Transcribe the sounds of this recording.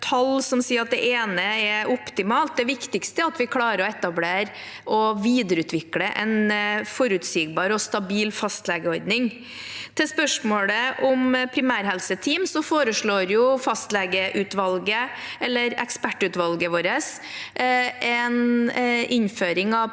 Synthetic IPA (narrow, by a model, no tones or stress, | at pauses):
t̪ʰɑlsɔmsiːɾɑt̪̚d̪ɛʔeːnəɛʔʊpt̪ɪmɑːlt̪̚d̪ɛʋɪkt̪ɪkst̪əɑt̪ʋɪkʰlɑːɾəɾɔɛt̪ɑbleːɾ | ʔɔʋiːd̪əɾʉːt̪ʰʋɪkləʔɛ̰nfɔɾʉt̪siːɡ̚bɑːɾɔst̪ɑbiːlfɑst̪lɛɡəɔɾd̪nɪŋ | t̪ʰɪspœʂmoːɽəʔʊmpʰɾɪmæːɾɦɛlsət̪ʰiːmsɔfoːɾəʂɭoːɾjʊfɑst̪lɛɡəʔʉːt̪ʋɑlɡəɛlːəɾɛkspæʈːʉt̪ʋɑlɡəʋoːɾəs | ʔɛn | ɪnføːɾɪŋɑʋ